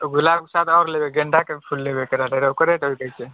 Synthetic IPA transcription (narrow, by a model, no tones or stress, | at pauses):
oɡulab̚kesat̪ʰɔɾlebeɡeɳɖakepʰulːebekəɾaʈeɾaokəɾeʈɦojkəjt͡ʃe